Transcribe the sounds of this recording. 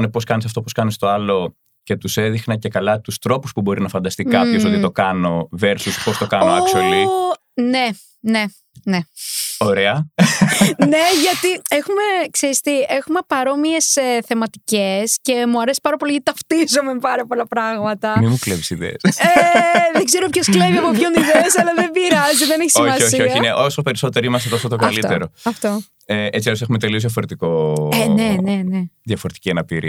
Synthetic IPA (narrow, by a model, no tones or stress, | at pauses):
nepo̞skɐnesɐft̪o̞poskɐnest̪o̞ɐlo̞ | ce̞t̪use̞ðixnɐce̞kɐlɐt̪ust̪ɾo̞puspubo̞ɾinɐfɐnd̪ɐst̪ikɐpço̞so̞t̪it̪o̞kɐno̞ve̞ɾsuspo̞st̪o̞kɐnoɐksoli | ne̞ | ne̞ | neoɾe̞ɐ | ne̞ʝɐt̪iexumekseɾist̪iexume̞pɐɾo̞mie̞seθemɐt̪icesce̞muɐɾesi̥pɐɾɐpolijɐt̪it̪ɐft̪izomepɐɾɐpo̞lɐpɾɐɣmɐt̪ɐmimuklevisiðḛːseðeŋɡze̞ɾopçoskleviɐpo̞pço̞niðeɐsɐlɐðebiɾɐziðeneçisiomɐsoçioçɐineʔosope̞ɾiso̞t̪eɾimɐs̬et̪osot̪okɐlit̪eɾo̞ɐft̪o̞ | eʔet͡siɐs̬e̞xumet̪eliozðʝɐfo̞ɾet̪iko̞neneneðjɐfoɾet̪i̥ciɐnɐpḭɾḭ